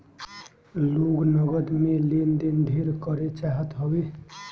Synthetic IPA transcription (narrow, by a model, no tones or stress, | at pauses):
loɡnəɡəd̪melend̪ind̪ʱeɾkəɾet͡ʃaɦət̪ɦəbe